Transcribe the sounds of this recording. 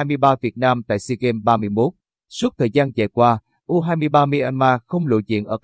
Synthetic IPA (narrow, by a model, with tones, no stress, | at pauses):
aː˧jmɨ˧əjɓaː˧vi˨˩ət̚naː˧mt̪a̰ː˧˨jsi˧ke˧mɓaː˧mɨ˧əjmo˦˥t̚ | su˦˥t̚t̪ʰəː˨˩jzaː˧nt͡ɕa̰˧˨˩jkwaː˧ | ʔu˧ɦaː˧jmɨ˧əjɓaː˧mi˧ʔa˧nmaː˧xə˧wŋ͡mlṵ˧˨˦zḭ˧˨ənʔəː˧˩k